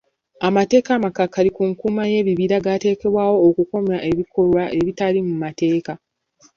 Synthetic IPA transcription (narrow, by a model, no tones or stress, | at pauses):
amate̞ːkamakakːalikuŋkuːmaje̞ːβiβiɾaɡate̞ːke̞βwaːwo̞ːkuko̞mjaʔe̞βikʰo̞ɾwaʔe̞βitalimumate̞ːka